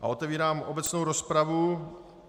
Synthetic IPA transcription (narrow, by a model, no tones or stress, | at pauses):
ʔa̰ʔo̞t̪ɛviːɾaːmʔo̞bɛt͡snowɾo̞spɾavu